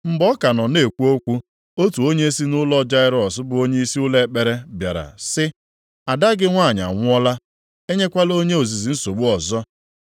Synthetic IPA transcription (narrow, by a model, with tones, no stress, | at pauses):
m̩˦bɔ˦ka˨nɔ˨ne˨kʷu˦o˦kʷu˦ | o˦tu˨o˦ɲe˦si˦nʊ˦lɔ˦d͡ʒa˦ɪ˦ɾɔ˨sʊ˦bʊ˨o˦ɲe˦i˦si˦ʊ˦le˦˨k͡pe˨ɾe˦bja̰˨ɾa̰˨sɪ˦ | a˨da˦ɡɪ˦ŋʷa˦˨ɲa̰˨ŋʷʊ˦ɔ˦la˦ | e˦ɲe˦kʷa˦lo˦ɲe˦o˨zi˨zi˨n̩˦so˨ɡ͡bu˦ɔ˨zɔ˦